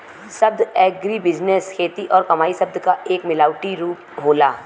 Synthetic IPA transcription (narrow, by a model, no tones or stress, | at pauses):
sɐb̚d̪ɛːɡɾibɪd͡ʒneskʰeːt̪iʔɔːɾkɐmaːisɐbd̪kaʔeːkmɪlaːʊʈiɾuːpɦoːlaː